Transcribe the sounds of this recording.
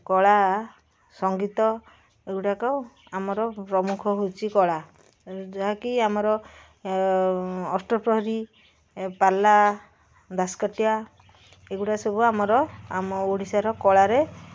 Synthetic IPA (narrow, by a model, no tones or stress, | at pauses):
kɔɭa | sɔŋɡit̪ɔ | ekuʈakɔ | amɔɾɔpɾɔmukʰɔɦot͡ʃʰikɔɭa | d͡ʒaɦakiamɔɾɔ | sʈɔpɾɔɦɔɾi | pala | d̪asɔ̥kɔʈja | ekɡuʈasɔbuamɔɾɔamɔoɽisaɾɔkɔɭaɾe